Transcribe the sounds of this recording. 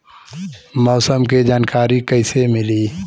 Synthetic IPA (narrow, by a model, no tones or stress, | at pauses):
mɔːsəmked͡ʒaːnkaːɾikəɪsemɪliː